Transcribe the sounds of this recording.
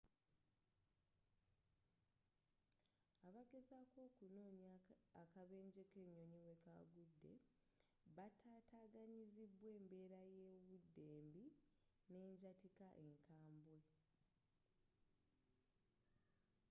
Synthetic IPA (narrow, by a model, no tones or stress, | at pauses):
aβaɡe̞zako̞ːkuno̞ːɲaːkaβe̞ːɲɟe̞keɲːo̞ɲiwe̞kaɡudːe̞̰ | βatʰaːtaːɡaɲiziβwe̞ːmbe̞ːɾaje̞βudːe̞ːmbi | ne̞ːɲɟatikaʔe̞ŋkaːmbwe̞